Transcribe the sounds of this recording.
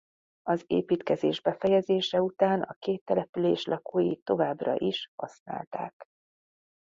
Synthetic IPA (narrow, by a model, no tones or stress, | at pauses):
ɒzḛːpiːt̪kɛzeːʒbɛfɛjɛzeːʃɛut̪aːnʔɒ̰keːt̪ːɛlɛpyleːʃlʔɒkoːjit̪ːo̞vaːbrɒ̰ʔiʃhɒsna̰ːlt̪a̰ːk